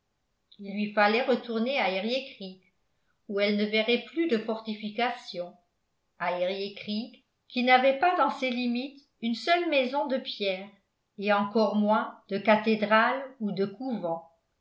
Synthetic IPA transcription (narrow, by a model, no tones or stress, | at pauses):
ilːɥifalɛʁət̪uʁneaeʁjekχik | uɛlnəvɛʁɛplyd̪əfɔʁt̪ifikasjɔ̃ | aeʁjekχik | kʲːinavɛpad̪ɑ̃selimit̪ | ynsœlmɛzɔ̃d̪əpjɛːʁ | eɑ̃kɔʁmwɛ̃d̪əkat̪ed̪ʁalud̪əkuvɑ̃